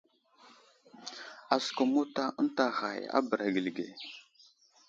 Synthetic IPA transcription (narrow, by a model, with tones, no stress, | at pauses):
a˨sko˨mu˦ta˦ə˦n˦ta˨ɣa̰˨ja̰˦bə˨ɾa˨ɡi˨lɡḛ˨